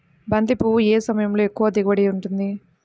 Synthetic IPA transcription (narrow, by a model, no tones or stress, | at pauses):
bɐnd̪ipueːsɐmɐjɐmlo̞ːekːuʋɐd̪iɡɐʋɐɽiuɳʈund̪i